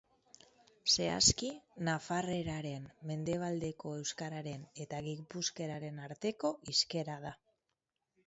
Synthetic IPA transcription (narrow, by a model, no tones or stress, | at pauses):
se̞a̰skinafare̞ɾaɾe̞nːe̞nd̪e̞β̞ald̪e̞ko̞e̞wskaɾaɾe̞ne̞t̪aɣipuske̞ɾaɾe̞naɾt̪e̞ko̞ʔiske̞ɾað̞a